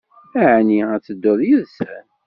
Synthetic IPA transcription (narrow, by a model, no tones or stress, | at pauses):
æʕniæt͡sːəd̪ːʊðˤjəðsæn